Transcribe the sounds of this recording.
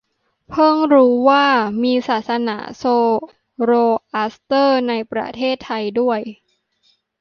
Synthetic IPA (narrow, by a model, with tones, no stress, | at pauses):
pʰɤ˥˩ŋɾuː˦˥waː˥˩miː˧saː˨˩t̪̚sa˧na̰ː˩˦soː˧ | ɾoː˧ʔa˦˥st̪ɤː˥˩na˧jpɾa̰˧t̪ʰeː˥˩t̪ʰːa˧jdu˥˩əj